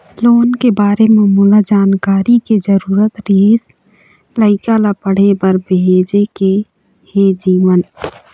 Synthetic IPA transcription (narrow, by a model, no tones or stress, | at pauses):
loːnkebaːɾemẽmulad͡ʒaːnkaːɾiked͡ʒəɾuːɾət̪ɾeːs | ləɪkalapəɽ̤ebəɾbeːd͡ʒeke | hed͡ʒiːʋən